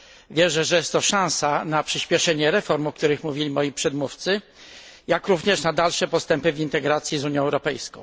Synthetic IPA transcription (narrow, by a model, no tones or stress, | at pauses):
vʲjɛʐɛʐɛjɛst̪ːɔʂãw̃sanapʂɘɕpʲjɛʂɛɲɛɾɛfɔɾmɔk̚t̪uɾɘxmuvʲilʲimɔjipʂɛd̪muft̪sɘ | jakɾuvɲɛʂnad̪alʂɛpɔst̪ɛmpɘvʲint̪ɛɡɾat̪sʲjizuɲjɔ̃ɛwɾɔpɛjskɔ̃w̃